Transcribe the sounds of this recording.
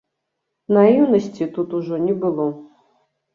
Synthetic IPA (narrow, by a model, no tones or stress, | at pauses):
naiiwnəsʲtʲit̪ut̪uʐonʲibɨlˠo